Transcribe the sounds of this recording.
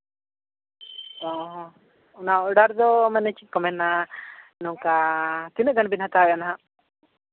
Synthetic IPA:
ɔɦ | naɔɽaɾd̪ɔmanɛt͡ʃikɔmɛnːa | nɔkat̪inəʔɡanbinhat̪abɛʔanaɦã

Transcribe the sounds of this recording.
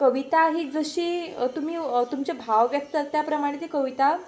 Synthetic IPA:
kəʋit̪aɦiːd͡zəɕiːt̪um̤iːt̪umt͡ɕebʱaʋʋjək̚t̪ət̪japɾəmaɽ̃et̪ikəʋit̪a

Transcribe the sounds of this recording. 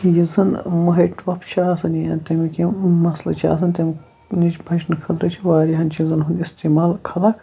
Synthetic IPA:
jizɐnmɐɦɐʈʋɐpt͡ʃʰaːsɐnijat̪ɐmikʲimɐslɐ̰t͡ʃʰa̰ːs̬ɐnʲt̪ʲɐmʲ | nit͡ʃbʱɐt͡ʃnɨkʰɐt̪ɾɐt͡ʃʰiʋaːɾiɦɐnt͡ʃʰizɐnɦund̪ʲist̪eːmaːlkʰɐlakʰ

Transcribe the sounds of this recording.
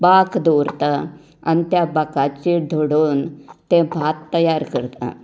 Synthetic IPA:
bakʰd̪oɾt̪a | anit̪jabakat͡ɕed̪ʱoɽuːnt̪ɛ̃bʱat̪ːəjaɾkəɾt̪a̰

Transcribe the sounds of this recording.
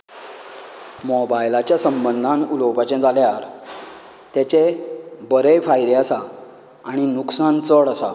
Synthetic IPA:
mɔbajlat͡ɕjasəmbənd̪ʱanulɔwpat͡ɕẽd͡zaljaɾ | t̪jat͡ɕebəɾefajɾeasaː | ɽ̃inuksant͡səɭəsa

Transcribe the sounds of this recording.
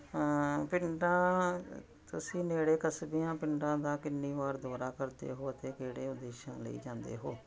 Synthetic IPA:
pɪɳɖãː | t̪ʊsĩːneːɽeːkəsbijãːpɪɳɖãːd̪ãːkɪnːiːʋaːɾd̪ɔːɾaːkəɾd̪ḛːɦoːət̪eːkeːɽeːʊd̪eːʃãːlə̰ḭːd͡ʒãːnd̪ḛːɦoː

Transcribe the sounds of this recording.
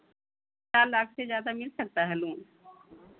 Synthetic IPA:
t͡ʃaːɾlaːkʰsezjaːd̪amɪlsɐk̚t̪aɦɛluːn

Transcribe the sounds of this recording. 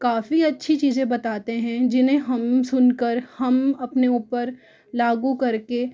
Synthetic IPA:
kaːfiɐtːʃʰit͡ʃiːzẽbɐt̪aːt̪eɦɛ̃d͡ʒɪnɦẽɦɐmsʊnkəɾhɐmɐpneuːpəɾ | laːɡukɐɾke

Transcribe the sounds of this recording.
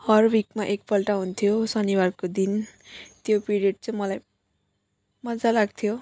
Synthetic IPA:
hʌrbikmaʔek̚pʌlʈaɦunt̪ʰijosʌniwarkod̪int̪jopiɾieɖ̚t͡sʌ̃mʌlaj | mʌd͡zalaɡ̚t̪ʰijo

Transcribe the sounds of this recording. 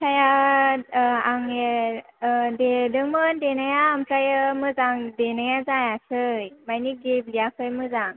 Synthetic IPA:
tʰaja | aŋe | dedɯŋmɯndenajaːmkʰajəmɯzaŋdenajazajasɯjmajniɡeblijakʰɯjmɯzaŋ

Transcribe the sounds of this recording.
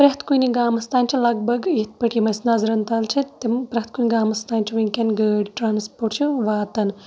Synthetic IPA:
pɾʲɐɦt̪kuniɡaːmɐst̪aːnʲt͡ʃʰinlɐɡ̚bɐɡit̪̚ʰpɐʈimɐsnaːzɾɐnt̪alt͡ʃʰit̪impɾʲɐt̪̚kuːnʲɡaːmɐst̪aːnʲt͡ʃʰiʋɐnʲkʲɐnɡɐɽʈɾaːnspoːʈt͡ʃʰuʋaːt̪ɐn

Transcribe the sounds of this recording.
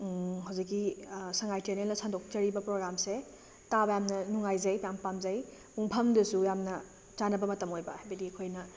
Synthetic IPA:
ɦɐwzikːisɐŋajteɾnelnɐsandok̚t͡ʃɐɾibɐpɾoɡɾamse | tabɐjamnɐnuŋajzɐjpjampamzɐjpuŋpʰɐmdɐsujamnɐ | t͡ʃanɐbɐmɐtɐmojbɐhajbɐdiɐkʰojnɐ

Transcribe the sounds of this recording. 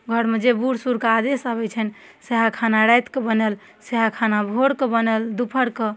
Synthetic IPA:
ɡʱəɾmed͡ʒebuɽsuɾkad̪esabɛt͡ʃʰɛn | seɦakʰanaɾajt̪kebənəl | seɦakʰanabʱoɽkebənəld̪upʰəɽke

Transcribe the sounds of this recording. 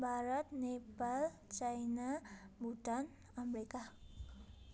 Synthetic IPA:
baɾat̪̚nepalt͡ʃajnabudan | amɾika

